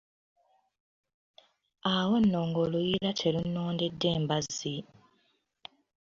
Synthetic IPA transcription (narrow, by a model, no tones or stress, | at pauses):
awo̞nːo̞ːŋɡolujiɾatʰelunːo̞ːndedːe̞ːmbazi